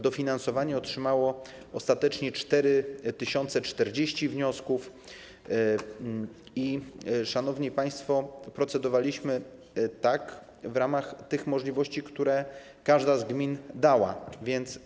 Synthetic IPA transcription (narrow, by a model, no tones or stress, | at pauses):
d̪ɔfʲinansɔvaɲɛɔtʂɘmawɔ | ɔst̪at̪ɛt͡ʂɲɛt͡ʂt̪ɛɾɘt̪ɘɕɔnt̪sɛt͡ʂt̪ɛɾd͡ʑeɕt͡ɕivɲɔskuf | iʂanɔvɲɛpaj̃st̪fɔpɾɔt̪sɛd̪ɔvalʲiɕmɘ | t̪ak | vɾamaxt̪ɘxmɔʐlʲivɔɕt͡ɕikt̪uɾɛ | kaʐd̪azɡmʲind̪awa̰vʲjɛnt̪s